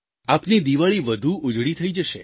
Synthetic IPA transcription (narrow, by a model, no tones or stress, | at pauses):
apnid̪iʋaɭiʋəd̪ʱuʔʊd͡ʒɽit̪ʰəid͡ʒəʃe